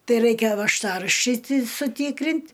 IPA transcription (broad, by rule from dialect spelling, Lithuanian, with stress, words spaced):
ˈtɐɪ ˈrɐɪkʲɛ ʋɐʃˈtɑːrɐʃʲt͡ʃʲɛɪ tʲɪ sʊˈtʲiːkrʲɪnʲtʲ